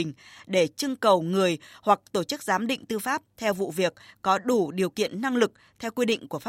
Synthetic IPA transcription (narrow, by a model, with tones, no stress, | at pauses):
ŋ̟ɗe˧˩t͡ɕɨ˧əŋkə˨˩wŋɨ˨˩əjhwa˨˩k̚t̪o˧˩t͡ɕɨ˦˥k̚zaː˨˦mɗḭ̈˧˨ŋ̟t̪ɨ˧faː˦˥p̚t̪ʰɛ˧wvṵ˧˨vi˨˩ək̚kɔ˨˦ɗu˧˩ɗi˨˩əwkḭ˧˨ənna˧ŋlɨ˨˩k̚ | t̪ʰɛ˧wkwi˧ɗḭ̈˧˨ŋ̟ku˧˩əf